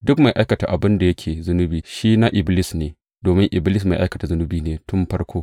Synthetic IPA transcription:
dʊ˦kma˨jʔa˦jkɐ˨ta˨ʔa˨bɪ˦nda˨jɐ˦kʲʰeː˨zʊ˦nʊ˦biː˨ʃiː˦na˦ʔɪ˨blɪ˦sneː˨ | doː˨mɪ˦ŋʔɪ˨blɪ˦s̬ma˨ʔa˦jkɐ˨ta˨zʊ˦nʊ˦biː˨neː˨tʊ˦mɸɐ˦rkʷoː˦

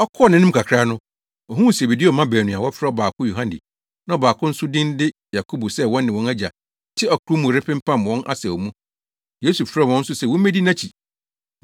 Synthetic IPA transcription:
ɔ˦kʰɔ˦ɔ˦˨nɪ̃˦nɪ̃˦m̩˦kʰa˨kʰɾa˦nʊ̃˦ | ɔ˨ɦũ˦ũ˨si˨e˨bi˨di˦ɔ˨mã˦bæ˨nũ˨a˨wɔ˦fɾɛ˦ɔ˦˨baː˨kʰʊ˦jo˨ɦã˦ndɪ̰˨ | nã˦ɔ˨baː˨kʰʊ̃˦n̩˦sʊ˦dɪ̃˦n˦dɪ˦ja˨kʰo˦bo˨sɛ˦wɔ̃˦nːɪ̃˨wɔ̃˦næ˦d͡ʑa̰˨ | tʰɪ˦ɔ˨kʰʊ˨ɾu˦mũ˨ɾɪ˦pʰɪ̃˦m̩˦pʰã˦˨mwɔ̃˦nʔa̰˦sɛ˨ɔ˨mũ˦ | je˦su˨fɾɛ˦wɔ̃˦n̩˦sʊ˦sɛ˦˨wɔ̃˦mæ˦di˦nã˦t͡ɕʰi˨

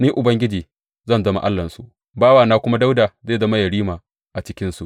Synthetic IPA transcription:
niː˦ʔʊ˨bɐ˦ŋɡʲɪ˦d͡ʒiː˨ | zɐ˦˨nzɐ˦ma̰˦ʔa˦lːɐ˨nsu˦ʔ | baː˦waː˨naː˦kʷʊ˦ma˦da˦wdaː˨zeː˦˨zɐ˦ma˦jɐ˨ɽiː˦maː˨ | ʔa˨t͡ʃɪ˦kʲɪ˦nsu˨ʔ

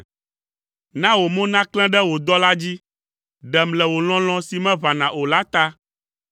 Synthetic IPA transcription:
nã˦wo˨mõ˦nã˦klɛ̃˦ɖɛ˦wo˨d̪ɔ˦la˦d͡ʑi˦ | ɖɛ˨mlɛ˨wo˨l̃ɔ̃˦l̃ɔ̃˦si˨mɛ̃˦βa˨nã˨o˨la˦t̪a˦

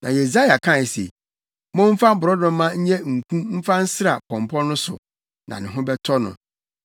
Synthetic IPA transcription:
nã˨je˨s̬a˦ja˨kʰã˦˨sḛ˨ | mɔ̃˦m̩˦fa˦bʊ˨ɾɔ˦dʊ̃˦mã˦ɲ̩˦ɲɛ˦ŋ̩˨kʰũ˦m̩˦fã˦n̩˦sɪ˦ɾa˨kʰɔ̃˨mpʰɔ̃˦nʊ̃˦sʊ̰˨ | nʔã̰˨nɪ̃˨ɦʊ̃˦bɛ˦tʰɔ˦nʊ̰̃˨

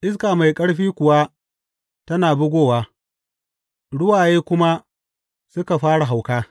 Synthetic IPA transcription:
ʔɪ˦s̬kaː˨ma˨jkʼɐ˦ɽɸiː˦kʷʊ˨waː˦ | tɐ˦naː˨bʊ˦ɡʷoː˦˨waː˦ | ɽʊ˦waː˨jeː˦kʷʊ˦ma˦ | sʊ˦ka˨ɸaː˦ɽa˨ɦa˨wkaː˦

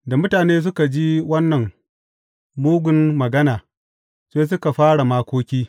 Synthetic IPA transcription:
da˨mʊ˦taː˨neː˦s̬ʊ˦ka˨d͡ʒi˦wɐ˦nːɐ˨ŋ | muː˦ɡʷʊ˦nmɐ˨ɡɐ˦naː˨ | seː˦s̬ʊ˦ka˨ɸaː˦ɽa˨maː˦kʷoː˦kʲiː˦

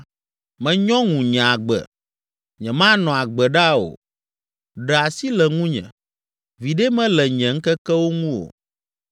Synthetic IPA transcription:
mɛ̃˨ɲɔ̃˦ŋũ˨ɲɛ̃˨a˨ɡ͡bɛ̰˨ | ɲɛ̃˨mã˦nɔ̃˨a˨ɡ͡bɛ˨ɖa˦o̰˨ | ɖɛ˨a˨si˦lɛ˨ŋũ˦ɲɛ̰̃˨ | vi˨ɖɛ˦mɛ̃˦lɛ˨ɲɛ̃˨ŋ̩˦kɛ˦kɛ˦wo˦ŋũ˦o̰˨

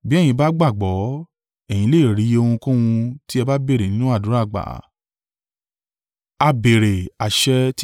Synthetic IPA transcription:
bi˦ɛ̃˦˨ĩ˧ba˦ɡ͡ba˦˨ɡ͡bɔ˨˦ | ɛ˨j̃ĩ˨˧˦le˦˨ɾi˨˦o˧hũ˧kũ˦wũ˧ti˦ɛ˧ba˦be˦˨ɾe˨nĩ˨˦nũ˦a˦˨dũ˨˦ɾa˦˨ɡ͡ba̰˨ | a˧be˨ɾe˨a˨ʃɛ˧t

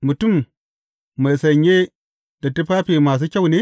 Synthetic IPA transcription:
mu˨tu˦˨mː | a˨jsɐ˨ɲːe˦ | d̥a˨tu˦ɸaː˦ɸe˨maː˨s̬u˦kʲa˦wneː˦

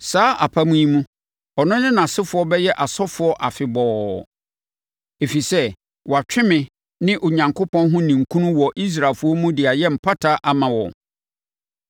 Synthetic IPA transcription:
saː˨˦ʔa˨pʰa˦mũ˦ĩ˦mũ˦ | ɔ˨nʊ̃˦nɪ̃˦nã˨sɪ˦fʊ˨˦ɔ˦bɛ˦jɛ˦ʔa˨sɔ˦fʊ˨ɔ˦ʔa˨fɪ˨bɔː˨ | e˨fi˨sɛ˦ | wɔ˨a˨t͡ɕᶣɪ˦mɪ̃˨ | nɪ̃˦ʔo˨ɲã˨ŋkʰo˦pʰɔ̃˦nɦʊ̃˦nĩ˨ŋ̩˨kʰũ˦nũ˦wɔ˨ʔi˦s̬ɾa˨lfʊ˨˦ɔ˦mũ˦dɪ˨a˨jɛ˦m̩˨pʰa˦tʰa˦ʔa˨mã˨wɔ̰˨

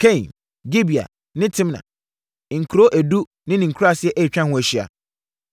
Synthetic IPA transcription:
kʰẽ˦˨n | ɡi˦bi˨a̰˨ | nɪ̃˦tʰɪ̃˦mnã̰˨ | ŋ̩˨kʰu˨ɾo˦ʔæ˨du˦ | nɪ̃˦nɪ̃˨ŋ̩˨kʰu˦ɾa˦˨sɪ˦ɛ˦ʔæ˦˨t͡ɕᶣã˦hʊ̃˦æ˨ɕi˦a̰˨

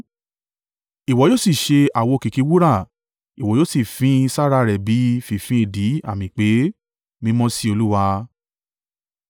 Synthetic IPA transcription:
i˨wɔ˨joː˦si˦˨ʃe˧a˨wo˧˨ki˨ki˨˦wu˦ɾa˦˨ | i˨wɔ˨joː˦si˦˨fĩ˨˦˧sa˦ɾa˧ɾɛ˨bi˨˦fi˨fĩ˨˦e˦˨di˨˦a̰˦˨mĩ˨k͡pe˨˦ | mĩ˧˦mɔ̃˦si˦o˧lu˦wa˧

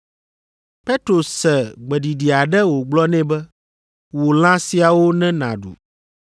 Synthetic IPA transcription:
pe˦t̪ɾo˨sɛ˨ɡ͡bɛ˨ɖi˨ɖi˨a˨ɖɛ˦wo˨ɡ͡blɔ˦nɛ̃˦bɛ˦ | wo˨l̃ã˦si˨a˨wo˦nɛ̃˦nã̰˨ɖṵ˨

